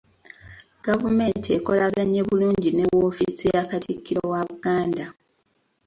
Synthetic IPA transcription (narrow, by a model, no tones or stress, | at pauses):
ɡ̥avume̞ːntie̞ko̞laɡaɲːe̞βuluːɲɟine̞woːfisijakatʰikːiɾowaβuɡaːnda